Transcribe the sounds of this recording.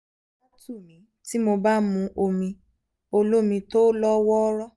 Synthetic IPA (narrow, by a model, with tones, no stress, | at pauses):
a˦tu˦˨mĩ˨˦ti˦mo˧ba˦mũ˧ʔo˧mĩ˧ | o˧lo˦mĩ˧to˦lɔ˦wɔ˦ɾɔ˦˨